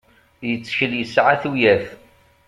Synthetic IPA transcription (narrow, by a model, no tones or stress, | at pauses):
jət͡sːə̥çəljəsʕaθujæθ